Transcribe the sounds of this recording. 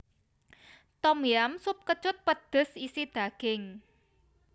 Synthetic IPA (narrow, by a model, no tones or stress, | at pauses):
t̪ɔmiamsʊp̚kət͡ʃʊt̪̚pəd̪̥ə̤sisid̪̥a̤ɡ̥ɪŋ